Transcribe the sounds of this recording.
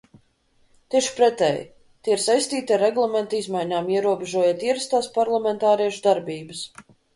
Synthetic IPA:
t̪ʲiɛʃpɾɛt̪ɛj | t̪ʲiiɾsajst̪iːt̪ʲiaɾːɛɡlˠament̪izmajɲaːmiɛɾuɔbʲeʒuɔjat̪iɛɾast̪aːspaɾlˠamɛnt̪aːɾiɛʃud̪aɾbiːbɨs

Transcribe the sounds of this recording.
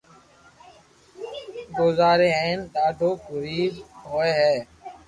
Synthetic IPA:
ɡoːzaːɾeːẽːnt̪aːɖʱoːkʊɾiːdɦoːeːɦɛː

